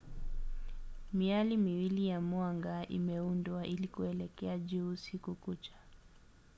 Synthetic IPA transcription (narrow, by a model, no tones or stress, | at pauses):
mialimiwilijamwaŋɡaḭmɛundwaʔilikuɛlɛkɛaʄuːsikukut͡ʃḁ